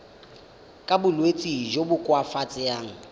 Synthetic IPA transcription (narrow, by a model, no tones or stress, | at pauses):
kʼabʊlwet͡sʼiʒobʊkʼwafat͡sʼɪjaːŋ̩